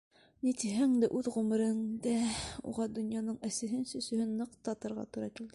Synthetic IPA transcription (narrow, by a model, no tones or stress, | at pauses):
nit̪iɦæŋd̪ɘʔʉðʁʉmɘ̆ɾɘ̆ŋd̪æṵʁɑd̪ŏnjɑnɤɴæsɘ̆ɦɘnsɵ̆sɵ̆hɵnːɤqt̪ɑt̪ɤ̆ɾʁɑ̰t̪uɾɑkild̪ɘ